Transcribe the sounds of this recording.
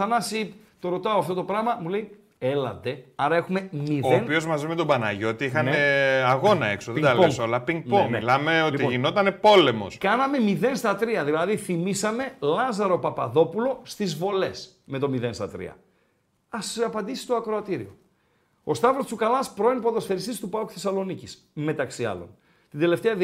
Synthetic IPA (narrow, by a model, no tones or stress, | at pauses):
ɐnɐsip | t̪o̞ɾo̞t̪ɐoɐft̪o̞t̪opɾɐmɐmule̞i | e̞lɐ̰d̪e̞ɐɾɐe̞xume̞miðoenpio̞zmɐzime̞t̪o̞bɐnɐ̰ʝot̪iixɐneɐɣo̞nɐeksoðed̪ɐlosolɐpiŋɡ̚npomilɐmeo̞t̪iʝino̞t̪ɐne̞po̞le̞mo̞̰skɐnɐme̞miðe̞nst̪ɐt̪ɾiɐðilɐðiθimisɐme̞lɐzɐɾo̞pɐpɐðo̞pulo̞st̪izvo̞le̞s | me̞t̪o̞miðe̞nst̪ɐt̪ɾḭɐ̰ | ɐsɐpɐnd̪isist̪oɐkɾoɐt̪iɾio̞̰ | ost̪ɐvɾost͡sukɐlɐspɾo̞inpo̞ðosfe̞ɾist̪ist̪upɐku̥θe̞sɐlo̞nicis | me̞t̪ɐksiɐ̰lo̞̰n | t̪ind̪e̞le̞ft̪eɐð